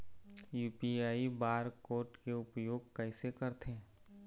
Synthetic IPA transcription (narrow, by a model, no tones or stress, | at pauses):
juːpiaːibaːɾkoːɾʈkeʊpjoːɡkɐɪsekəɾt̪ʰe